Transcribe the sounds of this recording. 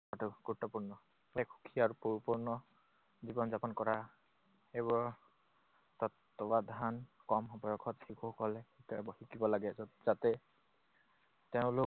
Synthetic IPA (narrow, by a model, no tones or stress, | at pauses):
atuɡ̥uɹutːɔpuɹnɔ | ekxu̥kʰiaɹupuɹipuɹnɔ | zibɔnzapɔnkɔɹa | ebɔɹ | t̪ɔtː | ɔbad̪ʱankɔmɔbɔjɔkʰɔtxikʰukɔlɛitabɔhikibɔlaɡɛzat̪ɛ | t̪eʊ̃lok